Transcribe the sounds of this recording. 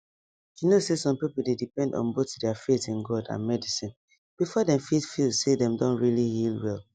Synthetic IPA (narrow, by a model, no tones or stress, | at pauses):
junosesɔ̃mpipulˠdedipɛ̃ndɔ̰̃nbotdɛafetĩnɡɔdã̰nmɛdisĩn | b̥ifɔdɛ̃mfitfilsedɛ̃mdɔ̃nɹilihilˠwɛlˠ